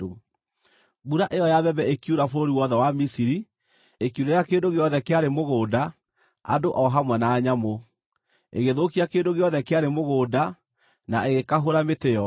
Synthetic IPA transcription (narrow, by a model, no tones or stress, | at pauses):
buɾaʔejɔjaβɛbɛekjuɾafoɾoɾiwɔðɛwamisiɾi | ekiuɾeɾakeːndoɣeɔðɛkeaɾemoɣoːda | a̰doʔɔɦamwɛnaːɲamo | ḛɣeðokiakeːndoɣeɔðɛkeaɾemoɣoːda | na̰eɣekaɦoɾameteɔ